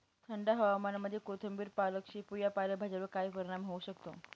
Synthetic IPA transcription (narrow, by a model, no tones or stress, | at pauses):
t̪ʰəɳɖaɦəʋamanaməd̪ʱjekot̪ʰəmbiːɾpaləkɕiːpujapaləbʱad͡ʑaɾəkajpəɾiɽ̃amɦouɕəkt̪o̰